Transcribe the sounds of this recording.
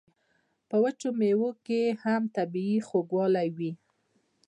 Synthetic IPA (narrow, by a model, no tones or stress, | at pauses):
pəwət͡ʃomewokehamt̪abiixoɡwɑlajwi